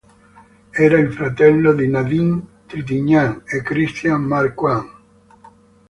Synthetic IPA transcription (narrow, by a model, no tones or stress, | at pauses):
ɛːɾailfɾat̪ɛlːod̪inaðint̪ɾit̪iɲːaŋekːɾist̪jammaɾkwaŋ